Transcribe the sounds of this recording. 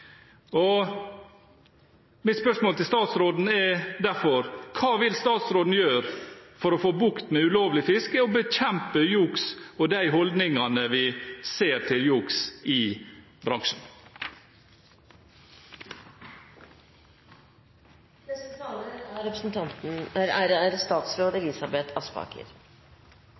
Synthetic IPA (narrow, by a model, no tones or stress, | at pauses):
ɔ | mɪt̪spœʂmoːlt̪ʰɪlst̪ɑːt̪sɾoːd̪n̩ɛɾd̪æɾfɔɾkʰɑːʋɪlst̪ɑːt̪sɾoːd̪n̩jøːɾfɔɾɔfoːbʊkt̪mɛʉloːʋlɪfɪskəɔbəc͡çɛmpəjuːksɔd̪æɪɦɔld̪nɪŋɑnəʋɪseːɾt̪ʰɪljuːksɪ | bɾɑŋʂn̩ | ɾɛpɾəsn̩t̪ʰɑnt̪n̩æɾɾæɾst̪ɑːt̪sɾoːd̪əɪlɪsɑbɛt̪ʰɑspɑ̰ːkə̰ɾ